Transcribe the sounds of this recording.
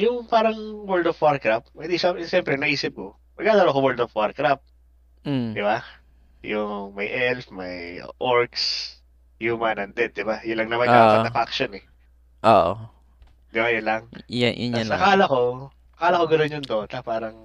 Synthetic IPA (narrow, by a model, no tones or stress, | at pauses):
jʊŋpaːɾɐŋwɛld̪ofwaɹkɾapmɐd̪iʃɐʃɛmpɾɛnɐʔiːsɪp̚ko | mɐɡ̚aːd̪ɐɾoʔkowɛld̪ofwaɾkɾap̩̚ | d̪ɪba | jʊŋmɐjʔɛlfmɐjʔoɹks | jumɐnɐnd̪ɛd̪̚ːɪbajʊnlɐŋnɐmɐj̪aːkɐɐfakʃonɛ | ʔoʔo | d̪ɪbajʊnlɐŋjʊ̰nɐkaːlɐko̞ | ɐkaːlɐkoɡɐnonjʊnd̪ot̪ɐpaːɾɐŋ